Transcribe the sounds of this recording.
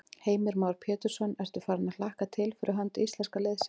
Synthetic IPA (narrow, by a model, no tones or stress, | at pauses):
heːjmɪɾmaːwɾ̥pʰɛːt̪ʏɾ̥sɔnɛɾ̥t̪ʏ̥faːɾanaðl̥ahkat̪ʰɪlfɪɾʔʏɦant̪ʏislɛnskaleðsɪ̥